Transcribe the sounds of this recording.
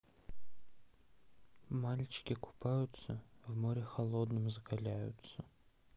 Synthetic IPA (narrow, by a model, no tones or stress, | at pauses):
malʲt͡ɕɪ̥kʲɪkʰʊ̥pʰajʊt̪səvmoɾʲɪxɐlˠod̪nɨmzɐkɐlʲæjʊ̰t̪sə